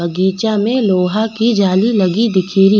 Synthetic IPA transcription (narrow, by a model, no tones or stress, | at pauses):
bɐɡiːt͡ʃamẽloːɦakid͡ʒaːlilɐɡid̪ɪkʰiːɾi